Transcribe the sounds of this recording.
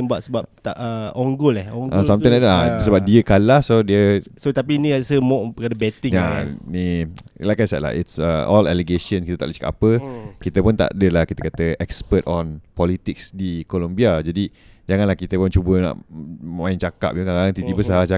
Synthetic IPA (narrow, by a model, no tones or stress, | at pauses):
buaʔ̪səbap̚t̪aʔəɔŋɡʊlɛhɔŋʔasamãŋaasəbap̚diəkalasodiəsot̪apinĩɾasəmɔ̃ʔbkadabɛt̪ɪŋjanilajkajsɛdla̰itsəʔɔlaleɡeʃənskit̪ət̪a̰ʔləskaʔapəkit̪əpʊnt̪a̰ʔdəlahkit̪əkat̪əɛkspət̪ɔnpɔlit̪ɪksdikolombiad͡ʒadi | d͡ʒaŋãnlahkit̪əpʊnt͡ʃubəna̰ʔəmãɪnt͡ʃaka̰p̚t̪ukaŋalaŋt̪it̪ibəsaat͡ʃa